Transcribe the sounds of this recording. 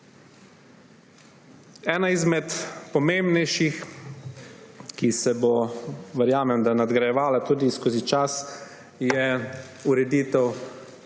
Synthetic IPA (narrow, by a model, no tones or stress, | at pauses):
ɛːnaizmɛt̪pɔmẽmbnɛjʃix | kisɛboʋɛɾjaːmɛmd̪anad̪ɡɾajɛʋaːlat̪uːd̪iskoːzit͡ʃas | jɛ | uɾɛd̪iːt̪ɛw